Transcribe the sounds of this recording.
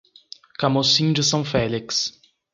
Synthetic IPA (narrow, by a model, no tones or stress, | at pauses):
kamosĩd͡ʒɪsɐ̃w̃fɛliks